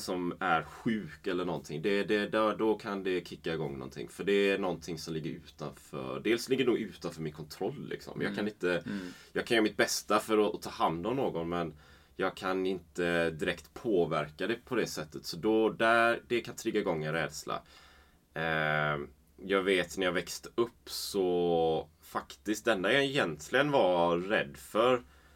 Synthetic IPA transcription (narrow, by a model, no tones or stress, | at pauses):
sɔmæɾɧʉ̟ːkɛlːəɳɔnt̪ʰɪŋd̪ɛd̪ɛd̪d̪ɔkʰand̪ɛkʰɪkːaɪɡɔŋːnɔ̰nt̪ʰɪ̰ŋːfœɖɛːɳɔnt̪ʰɪŋsɔmlɪɡːəɾʉ̟ːt̪a̰nfœ̰ɖeːlslɪɡːəɳuːɡʉ̟ːt̪anfœːmɪnkʰɔnt̪ʰɾɔlːɪ̰ksɔ̰mjɑ̰ːɡkʰanɪnt̪əjɑːɡkʰanjœːɾmɪt̪̚bɛst̪afœɾɔt̪ʰɑːhand̪ɔmnoːɡɔnmɛn | jɑːɡ̚kʰanɪnt̪əd̪ɪɾɛkt̪pʰoːvæɾkad̪ɛpʰɔd̪ɛsɛt̪ːət̪sɔd̪ɔd̪æd̪ɛkʰant̪ʰɾɪɡːaɡɔŋːənɾɛːd̪sla̰ | jɑːɡveːt̪næɾjaːvɛkst̪əɵpːsɔ | fakt̪ɪst̪̚d̪ɛnːajaɛjɛnt̪ʰlɪɡənvaɾɛ̰d̪ːfœɾ